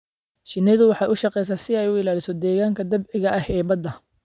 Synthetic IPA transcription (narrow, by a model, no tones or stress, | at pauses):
ʃɪnɪðʊwɑħɑːʔʊʃɑqɛjs̬aːsɪɛjʊɪlaːlɪsɔd̪ɛːɣaːŋkʰɐd̪ɐbʕɪɣɐʔɐhɛːbɐd̪ɐ